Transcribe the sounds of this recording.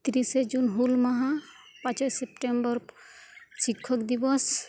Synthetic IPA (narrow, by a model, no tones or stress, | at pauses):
t̪ɾised͡ʒunɦulmaɦã | pãt͡ʃɔsepʈembɔɾ | sikʰːɔkd̪ibɔs